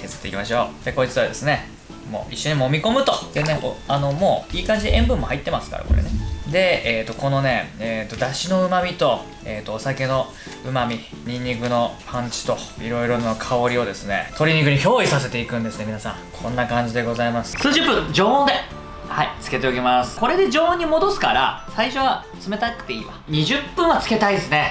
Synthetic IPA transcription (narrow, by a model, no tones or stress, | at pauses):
kezɨ̥t̪e̞ḭkʲimaɕ̬o̞ːd̪̥e̞ko̞it͡sɨβa̰d̪e̞sɨne̞ | mo̰ːʔiɕːo̞ɲ̟imoːmʲiko̞mɯ̟t̪od̪̥eneʔo̰ano̞mo̞ːiːkãɲ̟d͡ʑieẽmbɯ̟̃mːo̞hait̪ːe̞masɨ̥ka̰ɾa̰ko̞̰ɾḛne̞d̪e̞eːt̪ːo̞ko̞no̞ne̞eːt̪ːod̪aɕino̞ɯ̟mamʲit̪o̞ | eːt̪ːoːsake̞no̞ | ɯ̟mamʲi | ɲ̟ĩɲ̟ʲːikɯ̟no̞pʰãɲ̟t͡ɕi̥t̪o̞iɾo̞iɾo̞nnokʰao̞ɾʲio̞d̪e̞sɨne̞̰t̪o̞ɾʲiɲ̟ikɯ̟ɲ̟iço̞ːisase̞t̪e̞ikɯ̟̃nd̪e̞sɨne̞mʲinasã̰ŋkʰõ̞nːakãɲ̟d͡ʑid̪e̞ɡo̞zaimasɨ̥sɨːʑɨpːɯ̃d͡ʑoːõnd̪e̞ | hait͡sɨ̥ke̞t̪e̞okʲemasɨ̥ko̞ɾe̞d̪e̞d͡ʑo̞ːõɲ̟ːimo̞d̪o̞sɨ̥kaɾa̰saiɕo̞βa | t͡sɨme̞t̪akɯ̥t̪eiːβa̰ɲ̟iʑɨpːɯ̃ɰ̃at͡sɨ̥ke̞t̪aid̪esɨne̞